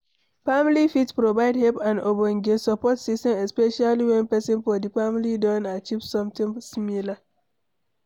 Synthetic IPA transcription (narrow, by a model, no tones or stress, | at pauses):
familifitpɾovaɪdhɛlpãndoboŋ̩ɡesɔpɔtsistɛ̃mespeʃaliwɛ̃npɛsɪ̃nfɔdifamilidɔ̃nat͡ʃivsɔ̃mtĩmsimila